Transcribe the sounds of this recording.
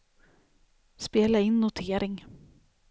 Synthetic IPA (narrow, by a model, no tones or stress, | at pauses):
speːlaɪnːʊt̪ʰeːɾɪŋ